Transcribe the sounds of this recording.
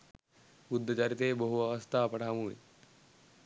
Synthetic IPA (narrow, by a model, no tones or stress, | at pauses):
bud̪ʱːət͡ʃaːɾit̪eːbəɦuaʋəst̪ʰaːpɐʈʰaːmuːḭ